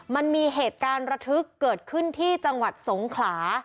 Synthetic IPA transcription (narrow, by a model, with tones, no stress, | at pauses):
ma˧nmiː˧ɦeː˨˩t̪̚kaː˧nɾa˧t̪ʰɯ˦˥kːɤː˨˩t̪̚kʰɯ˥˩nt̪ʰiː˥˩t͡ɕa˧ŋwa˨˩t̪̚so˩˦ŋkʰlaː˩˦